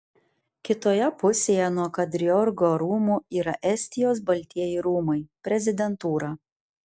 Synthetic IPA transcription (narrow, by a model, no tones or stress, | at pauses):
kʲɪt̪oːjɛpʊsʲeːjɛnuɔkɐd̪ʲɾʲɪɔɾɡoːɾuːmuːiːɾɐʔɛsʲt̪ʲɪjoːs̬bɐlʲt̪ʲiɛjɪɾuːmɐɪpʲɾʲɛzʲɪd̪ʲɛnt̪uːɾɑ